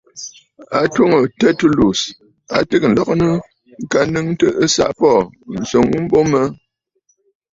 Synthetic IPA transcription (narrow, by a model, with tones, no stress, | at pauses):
a˨two˦ŋə˨tɛ˦tu˦lu˨s | a̰˨tɨ˦k̚n̩˨lɔ˨k̚nə˦ | ŋ̩˨ka˨nɨ˦ŋtə˦ʔə˦sa̰˨ʔpɔ˦˨n̩˨so˨ŋu˦m̩˦bo˦mə˦